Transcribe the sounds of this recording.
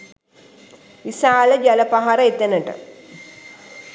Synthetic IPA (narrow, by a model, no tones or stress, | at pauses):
ʋisaːləd͡ʒɐləpaɦaɾəet̪enəʈə̰